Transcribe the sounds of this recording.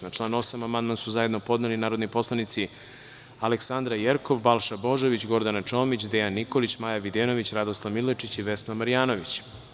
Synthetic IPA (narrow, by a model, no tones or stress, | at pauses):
nat͡ʂlˠaːnuo̞samamand̪mansuzaje̞d̪no̞po̞d̪nelinaːɾo̞d̪nipo̞slˠanit̪si | aleksand̪ɾajeɾko̞ʋbalˠʃabo̞ʒoʋit͡ɕɡo̞ɾd̪anat͡ʃo̞ːmit͡ɕd̪ejanːiko̞lit͡ɕmaːjaʋid̪eno̞ʋit͡ɕɾad̪oslˠamilet͡ʂit͡ɕiʋesnamaɾijaːnoʋit͡ɕ